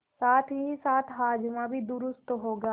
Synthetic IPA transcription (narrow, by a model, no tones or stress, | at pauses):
saːt̪ʰɦisaːt̪ʰɦaːd͡ʒmãbʱid̪ʊɾʊst̪ɦoːɡaː